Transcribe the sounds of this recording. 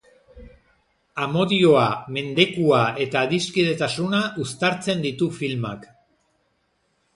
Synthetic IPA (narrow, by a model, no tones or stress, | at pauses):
amo̞ðio̞ame̞nd̪e̞kuae̞t̪aːðiskiðe̞t̪asunaʔust̪aɾt͡se̞nd̪it̪ufilmak